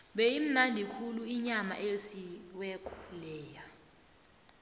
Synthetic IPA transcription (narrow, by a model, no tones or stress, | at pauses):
ɓɛim̩nandʱikʰuluiɲama̰ʔesiwɛkʼɔlɛːja